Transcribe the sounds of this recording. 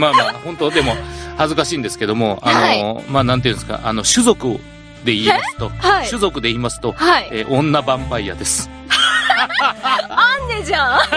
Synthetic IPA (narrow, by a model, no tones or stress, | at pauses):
maːmahõ̞nt̪o̞d̪e̞mo̞hazɨkaɕĩːnd̪e̞sɨ̥ke̞d̪o̞mo̞a̰nomaːnãnt̪eiɯ̟̃nesɨ̥ka̰ʔa̰no̞ɕɨzo̞kɯ̟ | d̪e̞iːmasɨ̥t̪o̞haiɕɨzo̞kɯ̟d̪e̞iːmasɨ̥t̪o̞haieːʔõ̞nːabãmbaija̰d̪e̞sɨ̥ | and̪ed͡ʑã